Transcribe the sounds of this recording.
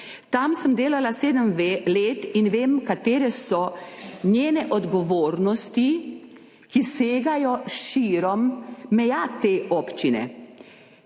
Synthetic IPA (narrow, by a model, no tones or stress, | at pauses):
t̪amsəmd̪eːlalaseːd̪əmleːt̪inʋeːmkat̪eːɾɛsɔɲjeːnɛʔɔd̪ɡɔʋoːɾnɔst̪i | kiseːɡajɔʃiːɾɔmːɛjat̪eːʔɔpt͡ʃinɛ̰